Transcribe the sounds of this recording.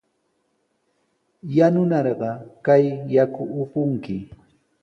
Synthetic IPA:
janʊnɑɾɢɑkajːakʊːpʊŋkɪ

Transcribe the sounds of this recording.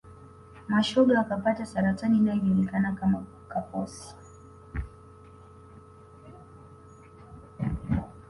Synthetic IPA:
maʃɔɡawakapatasaɾatanindaivɔlikanakama | kapɔsi̥

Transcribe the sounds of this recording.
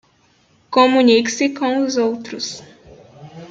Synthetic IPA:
kõmũniksɪkõw̃ʊzowt̪ɾʊs

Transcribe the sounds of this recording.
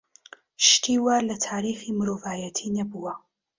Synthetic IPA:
ʃt̪ʰiːwalɐt̪ʰaːɾiːximɨɾoːvaːjɐt̪ʰiːnɐbuwɐ

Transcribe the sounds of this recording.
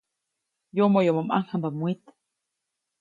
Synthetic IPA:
jomojomomʔa̰ŋhamb̪amwʷit̪

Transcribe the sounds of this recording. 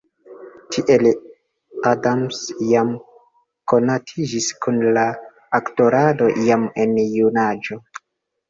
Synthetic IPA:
tʰiʔel | adamsjam | ko̞natʰid͡ʒiskunlaː | kto̞ɾado̞ʔijamenjunad͡ʒo̞

